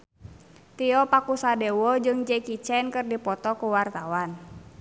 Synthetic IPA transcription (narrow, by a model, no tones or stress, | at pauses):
t̪iɔpakusadɛwɔd͡ʒɨŋd͡ʒɛkit͡ʃɛnkɨrdipɔt̪ɔkuwart̪awan